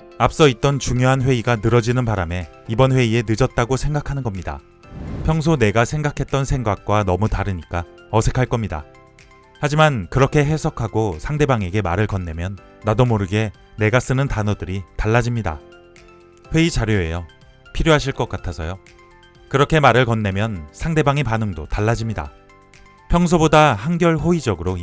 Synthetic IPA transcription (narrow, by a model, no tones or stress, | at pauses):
ap̚s͈ʌit̚t͈ʌnt͡ɕuŋjoɦanɸwe̞iɡanɯɾʌd͡ʑinɯnpaɾame̞ | ibʌnɸwe̞ie̞nɯd͡ʑʌt̚t͈aɡosʰe̞ŋɡakʰanɯnɡʌmɲida̰ | pʰjʌŋs̬ʰone̞ɡasʰe̞ŋɡakʰe̞t̚t͈ʌnsʰe̞ŋɡak̚k͈wanʌmutaɾɯɲik͈a | ʌsʰe̞kʰaɭk͈ʌmɲida̰ | had͡ʑimankɯɾʌkʰe̞ɦe̞sʰʌkʰaɡosʰaŋde̞baŋe̞ɡe̞maɾɯɭkʌnːe̞mjʌnː | adomoɾɯɡe̞ | ne̞ɡas͈ɯnɯntanʌdɯɾitaɭːad͡ʑimɲida̰ | ɸwe̞it͡ɕaɾjoe̞̰jo | pʰiɾjoɦaɕʰiɭk͈ʌk͈atʰasʰʌ̰jo | kɯɾʌkʰe̞maɾɯɭkʌnːe̞mjʌnsʰaŋdebaŋepanɯŋdotaɭːad͡ʑimɲida̰ | pʰjʌŋsʰobodaɦanɡjʌɭɸoid͡ʑʌɡɯɾo